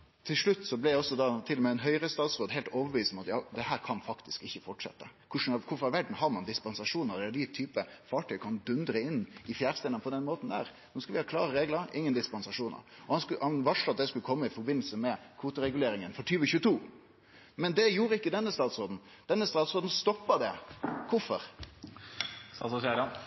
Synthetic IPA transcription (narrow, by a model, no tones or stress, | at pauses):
t̪ʰɪlʂɭʉt̪ːsɔblɛd̪ɛɔsːɔd̪ɑt̪ʰɪlɔmɛɛnɦœʏɾəst̪ɑːt̪sɾoːd̪ɦɛɪlt̪oːʋəʋiːsmɑt̪jɑːd̪ɛhæːɾkʰɑnfɑkt̪ɪskɪçːəfɔʈʂɛ̰t̪ːəkʰʊʂn̩ɑkʰʊɾfɔɾɑʋæɖɳ̩hɑɾmɑnd̪ɪspɑnsɑʂuːnəɾd̪d̪ɪt̪ʰyːpəfɑːʈʰœʏkʰɑnd̪ʉnd̪ɾəɪnːɪfjæːɾst̪eːd̪ənəpʰɔd̪ɛnmoːt̪n̩d̪æ̰ːɾ | noːskɑlʋɪhɑːklɑ̰ːɾəɾeːɡləɾɪŋːənd̪ɪspɑnsɑʂuːnə̰ɾɔhɑshɑnʋɑʂlɑt̪̚d̪ɛskʉləkʰɔmːəɪfɔɾbɪnːl̩səmɛkʰʋuːt̪əɾɛɡʉleːɾɪŋənfɔʈʰyːʋəçʉːət̪ʰuː | mɛnd̪ɛjuːɾəɪkːəd̪ɛnːəst̪ɑːt̪sɾoːd̪n̩ | d̪̥ɛnːəst̪ɑːt̪sɾoːd̪n̩st̪ɔpːɑd̪ɛkʰʊfɔɾ | ɑsɔsæɾɑn